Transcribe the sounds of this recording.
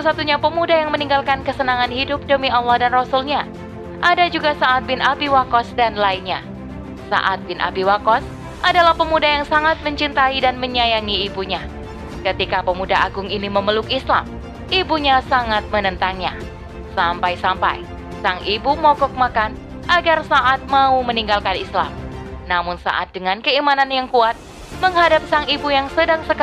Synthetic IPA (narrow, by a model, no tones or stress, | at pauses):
sat̪usat̪uɲapəmudajaŋməniŋɡalkankəsənaŋanhidʊp̚dəmialːɔhdanrɔsulɲa | ʔadad͡ʒuɡasaʔːt̪̚bɪnʔabiwakɔsdanlainɲa | sa̰ʔa̰t̪̚bɪnʔa̰biwakɔs | ʔadalahpəmudajaŋsaŋat̪̚məɲt͡ʃint̪aidanməɲajaŋiːbuɲa | kət̪ikapəmudaaɡʊŋiniməməlʊkisla̰m | ibuɲasaŋat̪̚mənənt̪aŋɲa | sampajsampa̰j | saŋʔibumɔkɔk̚makan | ʔaɡarsaʔat̪̚mauməniŋɡalkanisla̰mnamʊnsa̰ʔa̰t̪̚dəŋankəimananjaŋkuat̪̚ | məŋɦadap̚saŋibujaŋsədaŋsək